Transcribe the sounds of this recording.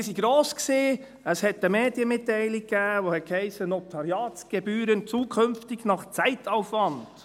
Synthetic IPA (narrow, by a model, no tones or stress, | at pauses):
siɡɾoːsksiː | əshɛtəmeːdjəmɪtːɛɪlɪk̚kɡæːʋohɛt̚khɛɪsənotʰɑɾjɑːtt͡sɡ̥ɛbyːɾənt͡suːkʰɵmftɪɡnɑχt͡sæɪtʰaʊfʋɑnd̥